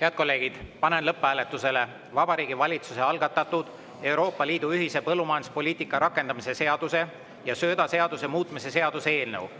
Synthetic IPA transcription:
heɑd̪̥̚ko̞lːe̞ːɡ̥id̪̥pɑnenlɤpːˑæːlet̪ːˑuse̞le̞ | vɑbɑɾiːɡ̥ivɑlʲit̪suse̞ɑlɡ̥ɑt̪ːˑɑt̪ːˑud̪̥ | e̞wɾo̞ːpːˑɑliːd̪uyɦise̞pɤlːumɑjɑnu̥spo̞lʲiːt̪ˑikːˑɑɾɑkːˑe̞nd̪̥ɑmise̞se̞ɑd̪̥use̞ | jɑsøːd̪ɑse̞ɑd̪̥use̞muːt̪ˑmise̞se̞ɑd̪̥usee̞ːlnɤw

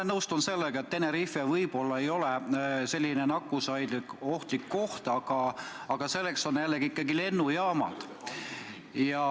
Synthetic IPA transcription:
nɤwst̪unse̞lːeɡ̥ɑe̞t̪ːe̞neɾifevɤjb̥o̞lːɑe̞jo̞lese̞lʲːinenɑkːusɑjd̪o̞ht̪likːo̞ht̪ɑɡ̥ɑ | ɑɡ̥ɑse̞lːe̞kso̞njælːeɡiikˑːɑɡile̞nːujɑːmɑ̰d̪̥ | jɑ

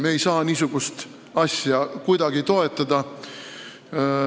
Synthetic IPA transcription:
mejsɑːniːsuɡ̥ust̪ | ɑsʲjɑkujd̪̥ɑɡ̥it̪o̞e̞t̪ːˑɑd̪̥ɑ

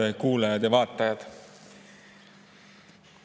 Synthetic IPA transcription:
ekuːlɑjɑd̪̥jɑvɑːt̪ːˑɑjɑd̪̥

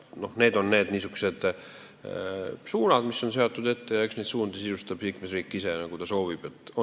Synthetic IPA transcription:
no̞hneːd̪o̞nne̞ːd̪niːsykse̞d̪̥ | suːnɑd̪misːo̞nse̞ot̪ːˑud̪e̞t̪ːe̞jɑeksnejd̪suːnd̪isisust̪ɑb̥liːkmesriːkˑːisenɑkut̪ɑso̞ːvib̥et̪ːˑo

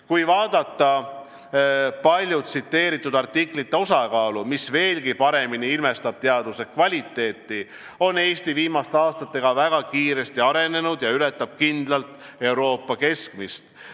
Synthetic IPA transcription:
kujvɑːd̪̥ɑt̪ːˑɑ | pɑlʲjut̪sit̪ːe̞ːɾit̪ːˑud̪̥ɑrt̪ːiklit̪ːeo̞sɑkɑːlumisve̞ːlɡipɑɾe̞miniilme̞st̪ɑb̥̚t̪e̞ɑd̪use̞kvɑlʲit̪ːˑe̞ːt̪ːi | o̞ne̞ːst̪iviːmɑst̪eɑːst̪ɑt̪ːe̞ɡ̥ɑvæɡ̥ɑkiːɾe̞st̪iɑɾe̞ne̞nud̪jɑyle̞t̪ːˑɑb̥̚kind̪̥lɑlt̪e̞wɾo̞ːpˑːɑke̞skmist̪

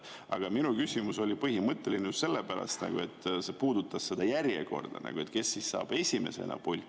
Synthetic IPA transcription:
ɑɡ̥ɑminukysʲimuso̞lʲipɤhimɤt̪ːˑe̞lineust̪se̞lːepæɾɑ̰st̪nɑ̰ɡ̥ue̞t̪ːse̞puːd̪̥ut̪ːˑɑsse̞d̪ɑjærjḛko̞̰rd̪̥ɑ̰nɑ̰ɡ̥ue̞t̪ke̞sːisːɑ̰ːb̥e̞sʲime̞̰se̞̰nʔɑ̰b̥ulʲ

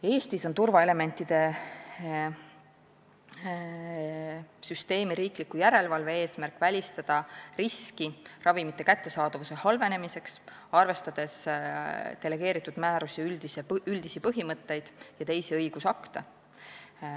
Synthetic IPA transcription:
e̞ːst̪iso̞nt̪urvɑe̞le̞me̞nʲt̪ːˑid̪̥e̞ | syst̪e̞ːmiɾiːklikːujæɾe̞lvɑlve̞e̞ːsmærkːˑvælʲist̪ɑd̪̥ɑriskirʔɑvimit̪ːˑe̞kæt̪ːe̞sɑːd̪̥ɑvuse̞hɑlve̞ne̞mise̞ks | ɑrve̞st̪ɑd̪̥e̞s | d̪̥e̞le̞ɡ̥e̞ːɾit̪ːˑud̪̥mæːɾusiyld̪̥iseyld̪̥isipɤɦimɤt̪ːe̞jd̪̥jɑt̪e̞jsiɤ̞jɡ̥usɑkt̪e

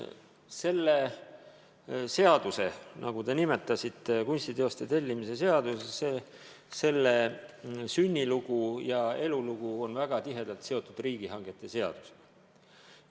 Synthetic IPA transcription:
se̞lːe̞ | se̞ɑd̪use̞nʔɑ̰ɡ̥ut̪e̞nime̞t̪ːˑɑsit̪ːˑekunʲsʲt̪id̪eost̪e̞t̪e̞lʲːimise̞se̞ɑd̪usese | se̞lːe̞synʲːiluɡ̥ujɑe̞luluɡ̥uo̞nvæɡ̥ɑt̪iɦe̞d̪̥ɑlt̪se̞o̞t̪ːˑud̪̥riːɡ̥iɦɑŋɡ̥e̞t̪ːˑe̞se̞ɑ̰d̪̥u̥se̥

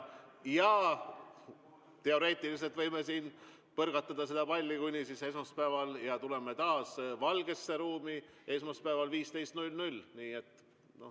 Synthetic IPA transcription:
jɑ | t̪e̞o̞ɾe̞ːt̪ːˑilis̬elt̪vɤjmesiːn | pɤrɡ̥ɑt̪ːˑɑd̪̥ɑsed̪ɑpɑlʲːikujnʲisise̞s̬mɑspæːvɑljɑt̪ule̞me̞t̪ɑːsvɑlɡ̥e̞sːeɾuːmi | e̞smɑspæːvɑlviːst̪e̞jst̪nulʲnulʲniːe̞t̪ːˑ | no̞

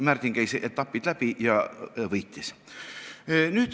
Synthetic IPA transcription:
mært̪ʲiŋkæiseʔet̪t̪ːɑpːid̪̥læpijɑʋɤjt̪ʲːis | nyt̪

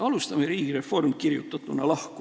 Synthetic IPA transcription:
ɑlust̪ɑmeɾiːɡ̥ire̞fo̞rmkirjṵt̪ːˑɑt̪ːˑunːɑlɑhku

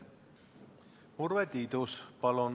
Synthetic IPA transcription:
urvet̪iːd̪uspɑlun

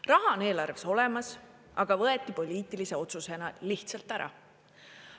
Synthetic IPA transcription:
rɑɦɑone̞ːlɑrveso̞lɛmɑs | ɑɡ̥ɑvɤet̪ːˑipo̞lʲiːt̪ːˑilise̞o̞t̪suse̞nɑliht̪sɑlt̪ːˑæɾɑ̰

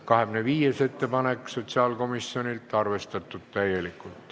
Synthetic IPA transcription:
kɑhemneʋiːjeset̪ːepɑnekːsot̪seɑlkomisːionilt̪ːˑɑrʋest̪et̪ːut̪t̪æjelikːˑult̪

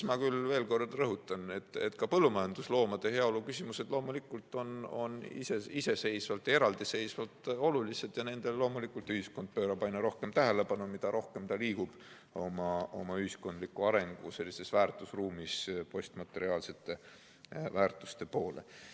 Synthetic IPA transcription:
mɑkylve̞ːlko̞rːɑlrɤɦut̪ːˑɑnet̪ːet̪ːkɑpɤlːumɑjɑnd̪̥uslo̞ːmɑd̪̥e̞he̞ɑo̞lukysʲimuse̞d̪̥lo̞ːmulikult̪ːˑo̞no̞̰nḭseise̞se̞jsvɑlt̪ːˑe̞ɾɑld̪̥ise̞jsvɑlt̪ˑo̞lulise̞d̪̥jɑne̞nd̪̥e̞llo̞ːmulikult̪yhisko̞nd̪̚pøːɾɑpɑjnɑɾo̞hke̞mt̪æɦele̞pɑnumid̪ɑɾo̞hke̞mt̪ɑliːkub̥ | o̞mɑo̞̰mɑyhisko̞nd̪likːˑuɑɾe̞ŋɡ̥use̞lʲːise̞svæːrt̪ˑusruːmispo̞sʲt̪mɑt̪ːˑe̞ɾiɑːlse̞t̪ːˑe̞ | væːrt̪ˑu̥st̪e̞po̞ːlḛ

